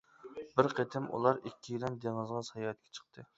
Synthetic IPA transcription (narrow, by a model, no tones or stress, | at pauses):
bɪɾqʰet̪ʰɪmʔṵlˠɑɾikʲʰːijilɛnd̪eŋɨzʁɑsɑjɑɛt̪̚kʲʰɛ̥t͡ʃʰə̥qt̪ʰɨ